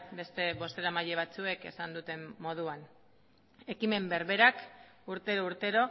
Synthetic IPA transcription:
be̞st̪e̞βo̞st̪e̞ɾamaʎe̞β̞at͡sue̞ke̞sand̪ut̪e̞mːo̞ð̞uan | e̞kime̞mbe̞ɾβe̞ɾak | uɾt̪e̞ɾouɾt̪e̞ɾo̞

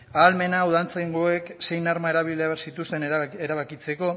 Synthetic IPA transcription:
aːlme̞nauðant͡sajŋɡoe̞kse̞jnaɾmaeɾaβileaβeɾsit̪ust̪eneɾaβakit͡se̞ko̞

